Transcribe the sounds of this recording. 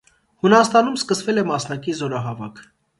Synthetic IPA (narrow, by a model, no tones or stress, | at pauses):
hunɑst̪ɑnumskəsvɛlɛmɑsnɑkizɔɾɑɦɑvɑkʰ